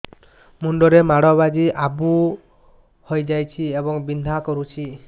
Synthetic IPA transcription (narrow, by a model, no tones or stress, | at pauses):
muɳɖɔɾemaɽɔbad͡ʒiʔabu | hojd͡ʒajt͡ʃʰiebɔŋbinʱakɔɾut͡ʃʰi